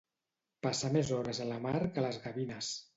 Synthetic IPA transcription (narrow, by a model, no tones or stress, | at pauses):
pasəmezɔɾəzələmaɾkələzɣəβinəs